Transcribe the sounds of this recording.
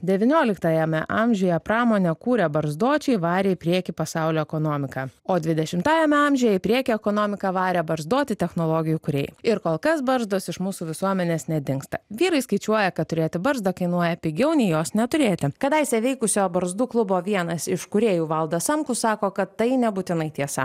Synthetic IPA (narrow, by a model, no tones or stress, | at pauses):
d̪ʲɛʋʲɪnʲoːlʲɪkt̪ɐjɛmʲɛ̰ʔɑmʲʒʲʊjɛpɾɑːmoːnʲɛkuːɾʲɛbɐɾzd̪uɔt͡ʃʲɛɪʋɑːɾʲeːɪpʲɾʲiɛkʲipɐsɑˑʊlʲoːɛkoːnoːmʲɪkɑoːd̪ʲʋʲɪd̪ʲɛʃʲɪmt̪ɑːjɛmʲɛɐmʲʒʲʊjɛɪpʲɾʲiɛkʲɛɛkoːnoːmʲɪkɑʋɑːɾʲɛbɐɾzd̪uɔt̪ʲɪt̪ʲɛxnoːlˠoːɡʲɪjuːkʊɾʲḛːjɪɾkoːlˠkɐsbɐɾzd̪oːsɪʃmuːsuːʋʲɪsuɔmʲɛnʲeːsnʲɛd̪ʲɪŋkst̪ɐʋʲiːɾɐɪskɐɪt͡ʃʲuɔjɛkɐt̪t̪ʊɾʲeːt̪ʲɪbɐɾzd̪ɐkɐɪnuɔjɛpʲɪɡʲɛʊnʲɛjoːsnʲɛt̪ʊɾʲeːt̪ʲɪkɐd̪ɐɪsʲɛʋʲɛɪkʊsʲoːbɐɾzd̪uːklˠʊboːʋʲiɛnɐsɪʃkʊɾʲeːjuːʋɐlˠd̪ɐsɐmkʊsɑːkoːkɐt̪ːɐɪnʲɛbuːt̪ʲɪnɐɪt̪ʲiɛsɐ̰